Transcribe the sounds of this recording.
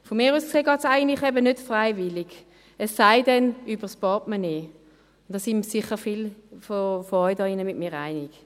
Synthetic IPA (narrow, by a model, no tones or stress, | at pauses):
fomiːʁuːsseːɡɑːtsaɪɡən̩tlɪχɛbənøtfʁaɪvɪlɪɡ | ɛsːaɪdɛnybəspɑtmaneː | ʊnd̥ɑsimsɪχəfilfofoɔʏdɑːinəmɪtmiːʁa̰ɪnɪɡ̥